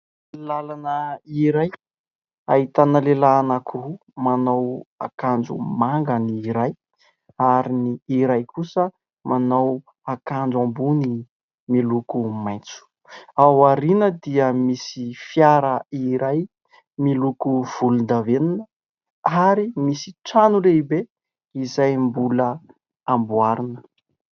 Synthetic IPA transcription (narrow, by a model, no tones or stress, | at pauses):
lalanəiɾaj | a̰it̪anəlelaːnakuru | manawakand͡ʒṵmaŋɡəniːɾaj | aɾiniːɾajkusə | mʔanaw | akand͡zuambuni | milukumajnt͡su̥ | awaɾinəd̪iəmisifjaɾəiɾaj | milukuv̥ulund̪aveninə | aɾimisi̥ʈ͡ʂanuleibe | izajmbulə | ambuaɾinə